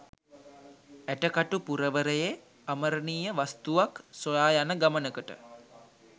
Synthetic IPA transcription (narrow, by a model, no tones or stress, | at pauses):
æʈəkaʈupuɾəʋəɾəje | aməɾəniːjəʋast̪uʋaksolaːjanəɡamənəkəʈə̰